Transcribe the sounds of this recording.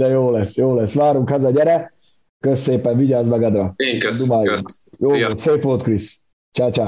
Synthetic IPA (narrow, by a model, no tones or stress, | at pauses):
d̪ɛjoːlɛsːjoːlɛsːʋaːɾuŋkhɛzɒɟɛɾɛ | køsːeːpɛɱviɟaːzmɛɡɒd̪ɾɒd̪umaːjuŋkjoːolt̪seːfʋolt̪kris | t͡ʃaːt͡ʃaː